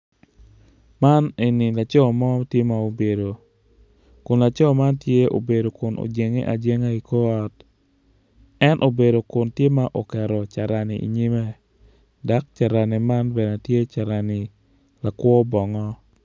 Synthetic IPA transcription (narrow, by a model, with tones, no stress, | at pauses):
ma˦ne˨nɪ˨la˨t͡ʃɔ˦mɔ˦tje˦ma˨o˨be˨do˨ | kʊ˨nla˨t͡ʃɔ˦ma˦ntje˦o̰˨be˨do˨kʊ˨no̰˨d͡ʒe˨ŋḛ˦ʔa̰˨d͡ʒe˦ŋa˦i˨ko˦ɔ˦t | ɛ˦nʔo˨be˨do˨kʊ˨ntje˦ma˦ʔo˨kɛ˨ɾɔ˨t͡ʃa˨ɾa˨nɪ̰˨ḭ˨ɲi˦mɛ˦ | da˦k̚t͡ʃa˨ɾa˨nɪ˨ma˦nbɛ˨na˨tje˦t͡ʃa˨ɾa˨nɪ˨ | la˨kwɔ˦bɔ˨ŋɔ˦